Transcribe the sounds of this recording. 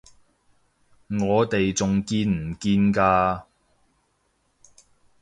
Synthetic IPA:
ŋɔː˨˧t̪e˨jt͡sʊ˨ŋkiː˧nm̩˨˩kiː˧nkaː˧

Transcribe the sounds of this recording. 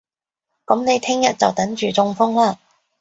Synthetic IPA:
kɐ˨˥mne˨˧jt̪ʰɪ˥ŋjɐ˨t̚t͡sɐ˨wt̪ɐ˨˥ŋt͡ʃyː˨t͡sʊ˧ŋfʊ˥ŋlaː˧

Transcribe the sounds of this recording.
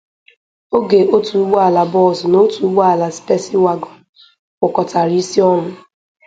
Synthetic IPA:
o˦ɡe˨ʔo˦tu˨u˦ɡ͡ba˨la˨bɔ˦˨sno˦tu˨˦ɡ͡ba˨la˨spe˦sɪ˦wa˨ɡɔ˨ | ʊ˨kɔ˨ta˨ɾi˦si˦ɔ˦nʊ˦

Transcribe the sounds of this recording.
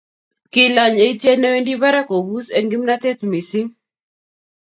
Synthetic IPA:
kɪ˨la˨ɲe˨˦te˦nɛ˦we˦ndi˦βa˦ɾa˦ko˨bu˦se˦ŋɡi˦mna˦tɛ˦tmi˨sɪ˦ŋ

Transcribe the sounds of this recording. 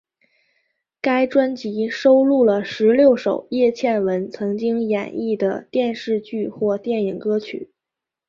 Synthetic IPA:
ka˥ɪʈ͡ʂwa˥nt͡ɕi˧˥ʂo˥ʊlu˥˩lə˩ʂɻ̩˧˥ljo˥˩ʊʂo˨˩ʊjɛ˥˧t͡ɕʰjɛ˥˩nwə˧˥nt͡sʰɤ˧˥ŋt͡ɕi˥ŋjɛ̰˨˩ni˥˩d̪ə˩t̪jɛ˥˧nʂɻ̩˥˧t͡ɕy˥˧xwɔ˥˧t̪jɛ˥˩ni˨˩ŋkɤ˥t͡ɕʰy̰˨˩˦

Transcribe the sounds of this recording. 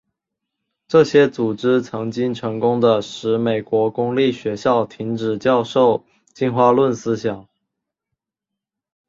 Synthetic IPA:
ʈ͡ʂɤ˥˩ɕjɛ˥t͡su˨˩ʈ͡ʂɻ̩˥t͡sʰɤ˧˥ŋt͡ɕi˥ŋʈ͡ʂʰɤ˧˥ŋkʊ˥ŋd̪ə˨ʂɻ̩˧˥me˨˩ɪkwɔ˧˥kʊ˥ŋli˥˩ɕɥɛ˧˥ɕjɑ˥˩ʊt̪ʰi˧˥ŋʈ͡ʂɻ̩˨˩t͡ɕjɑ˥˧ʊʂo˥˩ʊ | t͡ɕi˥˧nxwa˥˧lwə˥˩nsɹ̩˥ɕjɑ˨˩˦ŋ

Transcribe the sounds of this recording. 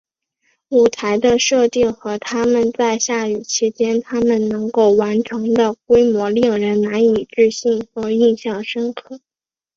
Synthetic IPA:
u˨˩t̪ʰa˧˥ɪd̪ə˧ʂɤ˥˧t̪i˥˩ŋxɤ˧˥t̪ʰa˥mə˨nt͡sa˥˧ɪɕja˥˩y˨˩t͡ɕʰi˧˥t͡ɕjɛ˥nt̪ʰa˥mə˨nnɤ˧˥ŋko˥˩ʊwa˧˥nʈ͡ʂʰɤ˧˥ŋd̪ə˧kwe˥ɪmwɔ˧˥li˥˩ŋɻə˧˥nna˧˥ni˨˩ʈ͡ʂɻ̩˥˧ɕi˥˩ŋxɤ˧˥˩i˥˧ŋɕjɑ˥˩ŋʂɤ˥ŋkʰɤ˥˩

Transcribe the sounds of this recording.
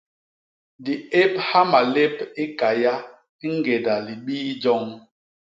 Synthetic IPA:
di˨e˦pha˦ma˨le˦pi˦ka˨ja˦ | ŋ̩˦ɡe˨da˨li˨ɓiː˦d͡ʒɔ˦ŋ

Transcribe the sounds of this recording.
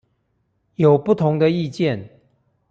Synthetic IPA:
jo˨˩ʊpu˥˩t̪ʰʊ˧˦ŋd̪ə˧i˥˧t͡ɕjɛ˥˨n

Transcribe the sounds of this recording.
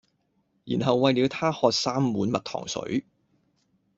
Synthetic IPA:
jḭː˨˩nɦɐ˨wːɐ˨˧jliː˨˧wt̪ʰaː˥hɔː˧k̚saː˥mːuː˨˥nmɐ˨t̚t̪ʰɔ̰ː˨˩ŋsɵ̰˨˥ɥ

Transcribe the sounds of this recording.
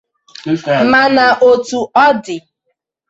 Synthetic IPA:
ma˨na˨ʔo˨tu˨ɔ˦dɪ˨

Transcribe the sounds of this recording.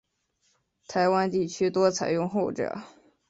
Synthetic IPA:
t̪ʰa˧˥ɪwa˥nt̪i˥˩t͡ɕʰy˥t̪wɔ˥t͡sʰa˨˩ɪjʊ˥˧ŋxo˥˩ʊʈ͡ʂɤ̰˨˩˦

